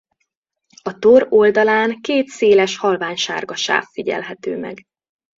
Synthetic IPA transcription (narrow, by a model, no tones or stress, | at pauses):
ɒt̪oɾo̞ld̪ɒlaːŋkeːt̪seːlɛʃhɒlvaːɲʃa̰ːrɡɒʃa̰ːfːiɟɛ̰lɦɛt̪øːmɛ̰ɡ